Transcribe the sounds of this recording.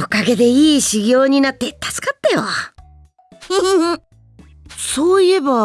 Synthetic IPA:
okaɡe̞d̪e̞iːɕiɡʲo̞ːɲ̟inat̪ːe̞t̪ḁsɨ̥kat̪ːajo | ɯ | soːie̞ba

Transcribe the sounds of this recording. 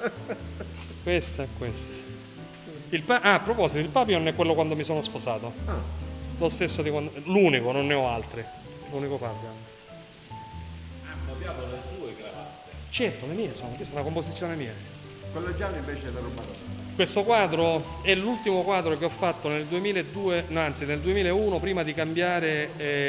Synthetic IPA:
kwest̪ɛkːwest̪ | ilpaʔapːɾopɔsit̪oilpaːp̬jononɛkːwelːokwand̪omisoːnospozaːt̪oalost̪esːod̪ikwanluːnikononːeɔalt̪ɾi | lunikopaːpja | amːoljaːmolesuːeɡɾaɾat̪ːet͡ʃɛrt̪olemiːesoːnokwist̪aunakomposit̪sːjoːnemiːa | kwelːoɛd͡ʒːaliɱveːt͡ʃeelːaɾomat̪ɔkwest̪okwaːd̪ɾoɛlult̪imokwaːd̪ɾokeɔfːat̪ːoneld̪uemiːleed̪ːuːenɔant̪sineld̪uemiːlaeuːnopɾiːmad̪ikambjaːɾe

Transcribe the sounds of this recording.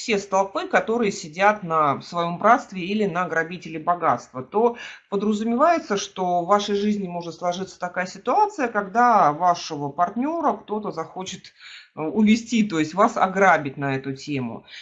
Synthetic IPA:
fsʲe̞st̪ɐlˠpɨkɐt̪o̞ɾɨjəsʲɪdʲat̪nəsvɐjo̞mbɾat̪st̪vʲɪilʲɪnəɡɾɐbʲitʲɪlʲɪbɐɡat̪st̪vət̪o̞pəd̪ɾəzʊmʲɪvajɪt̪səʂt̪o̞vːaʂəjʐɨzʲnʲɪmo̞ʐɨt̪slˠɐʐɨt̪sə̥t̪ɐkajəsʲɪt̪ʊat̪sɨjəkɐɡd̪avaʂəvəpɐrtʲnʲo̞ɾəkt̪o̞t̪əzɐxo̞t͡ɕɪt̪ʊvʲɪsʲtʲit̪o̞jɪsʲtʲvasɐ̰ɡɾabʲɪtʲnɐɛt̪ʊtʲemʊ̰

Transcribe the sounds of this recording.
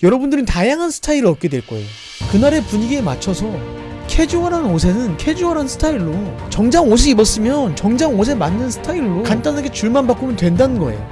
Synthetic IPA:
jʌɾʌbundɯɾɯntajaŋɦansʰɯ̥tʰaiɾɯɭʌk͈e̞dwe̞ɭk͈ʌe̞̰jo | kɯnaɾe̞puɲiɡiema̰t͡ɕʰʌsʰʌkʰe̞d͡ʑuaɾanos̬ʰe̞nɯnkʰe̞d͡ʑuaɾansʰɯ̥tʰaiɭːot͡ɕʌŋd͡ʑaŋoɕ̬ʰiɡibʌs͈ɯmjʌnt͡ɕʌŋd͡ʑaŋos̬ʰe̞manːɯnsʰɯ̥tʰaiɭːokant͈anɦaɡe̞t͡ɕuɭmanbak͈omjʌntwe̞ndanɯnɡʌe̞̰jo

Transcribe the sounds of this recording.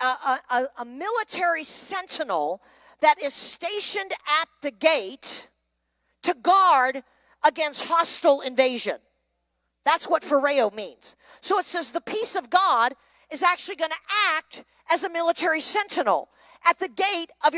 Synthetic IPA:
əəəmɪlˠətʰɛɹisɛ̃ntʰənl̩ˠ | ðɨɾɪz̥steɪʃɨ̃ndɨt̪̚ðɨɡeɪt | ɨɡɑɹɾ | əɡɛ̃nst̚hɑstl̩ˠɪ̃ɱveɪʒɨ̰̃n | ðætswʌtfəɹeɪoʊmḭ̃nz̥ | soʊɨtsɛzðəpʰisʌvɡɑɾ | ɨzæk̚t͡ʃʉl̩ˠiɡʌnɨʔæk̚t | ɨzɨmɪlˠətʰɛɹisɛ̃ntʰɨnl̩ˠ | ʔɨt̪̚ðɨɡeɪɾʔʌv

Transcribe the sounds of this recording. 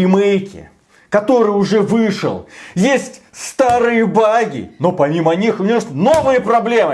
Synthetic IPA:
ɪmejkʲɪ̰ | kɐt̪o̞ɾɨjʊʐɛvɨʂə̰lˠjesʲtʲst̪aɾɨjəbaɡʲɪ̰no̞pɐmʲimənʲixʊnʲesnovɨjəpɾɐblʲe̞mɨ

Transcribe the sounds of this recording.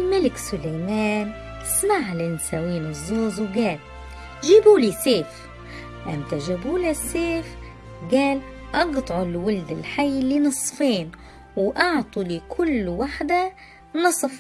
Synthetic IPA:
lmalɪksʊlajmaːn | smaʕlɪnsawiːnɪzːoːzwɡæːl | ʒibuliseːf | ʔamt̪aʒabuːlaseːf | ɡaːl | ʔɑɡt̪ˤʕʊlwʊld̪ɪlħajːlinɨsˤfeːn | wʔɑʕt̪ˤulikʰʊlːwaħd̪a | nɨsˤf

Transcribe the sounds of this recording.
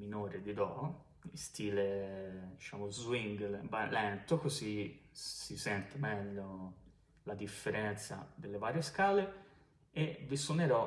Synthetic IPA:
minoːɾed̪id̪ɔ | ist̪ʰiːled̪it͡ʃaːmozwiŋɡlbalɛnt̪okozisisɛnt̪emɛʎːo | lad̪ifːeɾɛnt̪sa̰d̪elːevaːɾjeskaːle | eviswoneɾɔ

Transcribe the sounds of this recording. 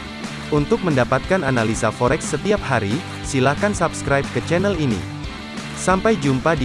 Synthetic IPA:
unt̪ʊk̚məndapat̪̚kananalisafɔɾɛksːət̪iap̚haɾi | silakansapskɾajp̚kət͡ʃɛnɛlinḭ | sampajd͡ʒumpadi

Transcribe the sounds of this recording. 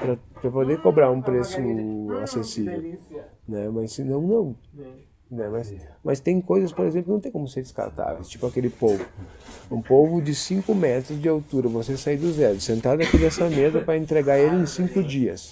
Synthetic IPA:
pɾɐpɾɐpod̪eɾkobɾaɾũpɾesʊa̰sesivḛw | nɛmɐsɪnɐ̃w̃nɐ̃w̃ | nɛmɐsmɐst̪ẽj̃kojzɐspoɾezẽplʊnɐ̃t̪ej̃kõmʊseɾd͡ʒɪska̰ɾt̪a̰vḛjst͡ʃi̥pʊakelɪpowvʊũpovʊd͡ʒɪsĩŋkʊmɛt̪ɾʊzd͡ʒɪawt̪uɾɐvosesaid̪ʊzɛɾʊsẽnt̪ad̪akid̪ɛsɐmezɐpɾɐẽnt̪ɾeɡaɾelɪẽj̃sĩŋkʊd͡ʒiɐ̰s

